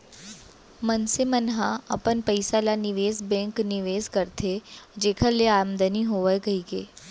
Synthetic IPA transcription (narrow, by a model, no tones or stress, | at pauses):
mənsemənɦãɐpənpəɪsalanɪʋeːzbɛ̃ːŋknɪʋeːzkɐɾt̪ʰed͡ʒeːkʰəɾleaːmd̪əniɦoːʋəjɡɐiːkeː